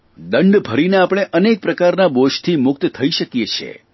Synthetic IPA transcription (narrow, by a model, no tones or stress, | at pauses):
d̪əɳɖbʱəɾineapɽ̃eʔənek̚pɾəkaɾnaboʃt̪ʰimʊk̚t̪t̪ʰəiʃəkijet͡ʃʰḛ